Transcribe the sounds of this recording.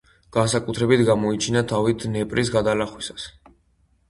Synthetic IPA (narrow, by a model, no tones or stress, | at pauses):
ɡ̥ansakʼut̪ʰɾɛbit̪ʰɡamɔit͡ʃʰinat̪ʰavit̪ʰnɛpʼɾʔisɡad̪alaχwisḁs